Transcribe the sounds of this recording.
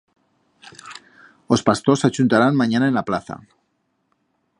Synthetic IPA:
o̞spast̪osat͡ʃunt̪aɾanmãɲanaenlaplaθa̰

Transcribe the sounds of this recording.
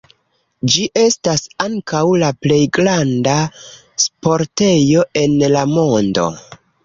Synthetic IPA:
d͡ʒiʔe̞stasaŋkawlaple̞jɡɾanda | spo̞ɾte̞jo̞e̞nlamo̞ndo̞̰

